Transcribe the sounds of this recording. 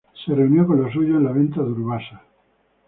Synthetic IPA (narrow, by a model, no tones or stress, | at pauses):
sereunjokonllosuʝoenlaβ̞ẽ̞nt̪aðuɾβasa